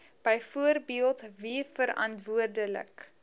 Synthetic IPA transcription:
b̥ɛjfuərbiəlˠtvifəɾɐ̰ntvuərdələ̰k

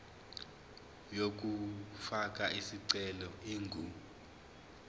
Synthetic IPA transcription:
jok̬ufak̬ʼaisiǀɛlɔiŋɡʱuː

